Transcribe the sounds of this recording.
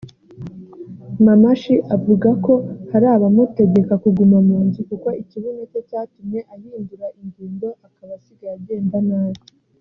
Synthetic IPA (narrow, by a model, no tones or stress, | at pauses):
mamaʃiʔavuɡako̞haɾaːβamute̞ɡe̞kakuɡumamuːnzukuko̞iciβunot͡ʃo̞caːtumɲe̞ʔahiːnduɾaʔiɲɡiːndo̞ʔakaβasiɡajaɟe̞ːmbanaːβo